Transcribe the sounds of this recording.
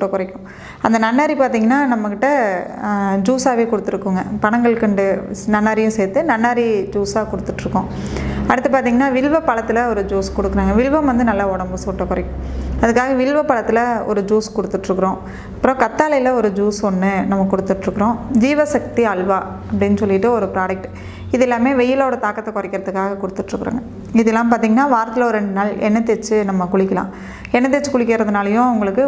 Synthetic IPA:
ʈːɐkʊɾɐɪkːʊ̃ | ɐnd̪ɐnɐnːaːɾipaːɾt̪iːŋɡɐnːaːnɐmːɐkːɪʈːɐ | d͡ʒuːsaːʋeːkɔɽɯt̪ːɯɾɯkːɯŋɡɐpɐɳɐŋɡɐɭɯkːɐɳɖɯnɐnːaːɾɪjʊ̃sɛːt̪ːɯnɐɳːaːɾid͡ʒuːsaːkɔɽɯt̪ːɯʈːɾɯkːʊ̃ | ɐɽɯt̪ːɯpaːɾt̪iːŋɡɐnːaːʋɪɭʋɐpːɐɭɐt̪ːɪlɐɔɾɯd͡ʒuːskɔɽɯkːɯɾaːŋɡɐʋɪɻʋɐmʋɐnd̪ɯnɐlːaːɔɽɐmbɯsuːʈːɐkʊɾɐɪkːʊ̃ɐðɯkːaːɣɐʋɪɻʋɐpːɐɭɐt̪ːɯlɐɔ̰ɾɯd͡ʒuːskɔɽɯt̪ːɯʈːrɯkːɯɾõː | ɐpːɯɾõkɐt̪ːaːlɐjɪlɐɔɾɯd͡ʒuːsɔnːɯnɐmːɐkːɔɽɯt̪ːɯʈːɾɯkːɐɾõːd͡ʒiːʋɐsɐk̚t̪iɐɭʋaː | ɐpːɐɽɪnːɯsɔlːɪʈːɯɔɾɯpɪɾaːɖɐk̚ʈ | ɪðɛlːaːmeːʋɛjːɪloːɽɐt̪aːkːɐt̪ːɐkɔɾɐɪkːɪɾɐðɯkːaːɣɐkɔɽɯt̪ːɯʈːrɯkːɯɾa̰ːŋɡɐ | ɪðɛlːãːmpaːɾt̪iːŋɡɐnːaːʋaːɾt̪ːɯlɐɔɾɾɛɳɖɯnaːlɛ̰nːɐt̪ːɛɾt͡ʃːɯnɐmːɐkʊɽɪkːɐlã̰ː | ɛnːɐt̪ːɛt͡ʃːɯkʊɽɪkːɪɾɐðɯnaːlɐjʊ̃ʊŋɡɐɭɯkːɯ

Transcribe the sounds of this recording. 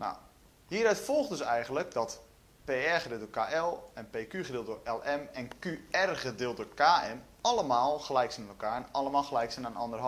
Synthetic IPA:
na̰w | hiːəɾœɥtfɔlˠχdɵsɛjɣən̩lək̚dɔt | peːɛrχədɪːtdoːkaːʔɛlˠɛnpeːkyχədɪːlˠt̚doɹɛlˠɛmɛnkyɛrχədɪəlˠt̚dʊɹkaːɛm | ɑləmaːlˠχəlɛjksɛnaɛlˠkaːɹɛnɑləmaːlˠxəlɛjksɛnanɔndərɦɔ

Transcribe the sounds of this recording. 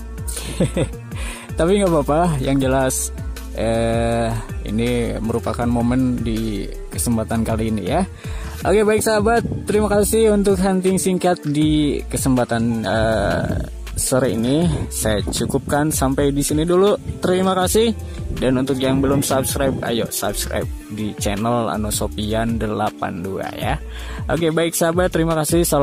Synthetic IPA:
t̪apiŋɡabapajaŋd͡ʒəlas | ə | ḭniməɾupakanmoməndi | kəsəmpat̪ankaliːnḭja | ʔokebaɪksabat̪ːəɾimakasɪhunt̪ʊkɦant̪ɪŋsiŋkat̪̚dikəsəmpat̪anə̰ | səɾḭnisajat͡ʃukup̚kansampajdisinidulut̪əɾimakasɪh | danunt̪ʊkjaŋbəlʊmsab̚skɾajb̚a̰jo̰sa̰bskɾa̰jp̚ | dit͡ʃɛnəla̰nosopiandəlapa̰ndua̰ja̰ | ʔo̰kebaɪk̚sabat̪ːəɾimakasɪhsa

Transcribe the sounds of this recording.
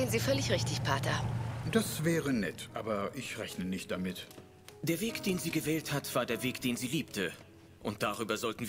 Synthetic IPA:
ənziːfœlɪçʁɪçtɪçpʰaɐtɐd̥asvɛːʁənɛ̰tʰʔa̰ːbɐʔɪçʁɛçnənɪçt̚d̥amɪt | d̥eːɐveːkd̥eːnziːɡəvɛːlthatv̥aːɐdeːɐveːkd̥eːnziːliːptʰə | ʔʊnt̚d̥aʁ̞yːbɐzɔltn̩v

